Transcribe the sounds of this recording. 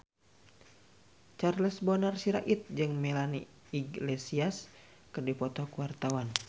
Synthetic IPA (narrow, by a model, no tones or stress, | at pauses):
t͡ʃarləsbɔnarsiɾa̰ʔit̪̚d͡ʒɨŋmɛlani | iɡlɛsias | kɨrdipɔt̪ɔkuwart̪awan